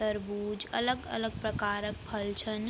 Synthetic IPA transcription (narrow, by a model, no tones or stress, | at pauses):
əɾbuːd͡ʒə̰ləɡə̰ləɡ̚pɾəkaːɾək̚pʰəlt͡ʃʰən